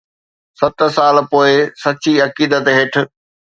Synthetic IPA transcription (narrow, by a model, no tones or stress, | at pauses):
sɐt̪̆saːlpoːɪsɐt͡ɕiɐkiːd̪ət̪ɦɪʈʰʊ̆